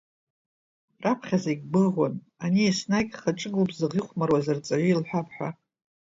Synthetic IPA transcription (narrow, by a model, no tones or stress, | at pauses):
rapʰχʲazajɡʲbɨʁʷan | aniesnakʲχaʈ͡ʂʼɨɡubzɨʁiχʷmarwazart͡sʼaʕilħʷᶣapʰħʷᶣa